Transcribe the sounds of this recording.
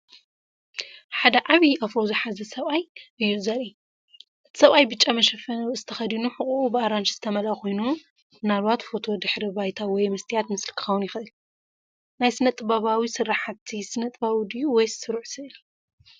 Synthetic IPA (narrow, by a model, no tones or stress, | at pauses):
ħad̪ɐʕaβiafɾozɨħazɐsɐβajʔɨjːuzɐli | ʔɨt̪ʰi̥sɐβajbɨt͡ʃʼːamɐʃɐfɐnɐɨzɨt̪ʰɐxɐd̪inuħɨχʼuubɨaɾant͡ʃz̥ɨt̪ʰɐmɐlakʰo̞jnu | ɨnalβat̪fo̞t̪ʰo̞d̪ɨħɾibajt̪ʰawɔjmɐst̪ʰijat̪mɨslkʰɨ̥xɐwnjɪxʔɨl | najsɨnɐt̪ʼɨbaβawisɨrːaħat̪ʰːisɨnɐt̪ʼbawd̪ijuwɔjsɨɾʕsɨʔɨli